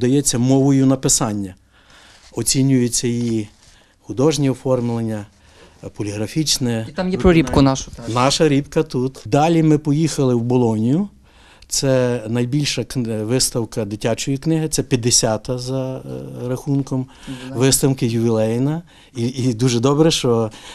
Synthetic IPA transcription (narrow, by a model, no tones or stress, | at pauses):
d̪ɐjɛt͡sʲːɐmɔʋɔjʊnɐpɪsɑnʲːɐ | ɔt͡sʲinʲʊjet͡sʲːɐji | xʊd̪ɔʒnʲiɔfɔrmɪlˠenʲːɐ | pɔlʲiɦɾɐfʲit͡ʃnɛt̪amjɛpɾɔɾʲipkʊnaʃʊnɑʃɐɾʲipkɐt̪ut̪d̪ɑlʲimɪpɔjixɐlˠɪwbɔlˠɔnʲijʊ | t̪sɛnɐjbʲilʲʃɐkʋɪst̪ɐwkɐd̪ɪtʲat͡ʃɔjiknɪɦɪt̪sɛpʲjɐd̪ːesʲɑt̪ɐzɐɾɐxunkɔmʋɪst̪ɐwkɪjʊʋʲilˠɛjnɐ | id̪uʒɛd̪ɔbɾɛʃt͡ʃɔ